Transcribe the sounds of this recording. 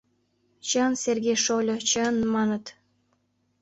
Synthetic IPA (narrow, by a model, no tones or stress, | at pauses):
t͡ɕənsʲerɡʲejʃolʲot͡ɕənmɑnə̆t̪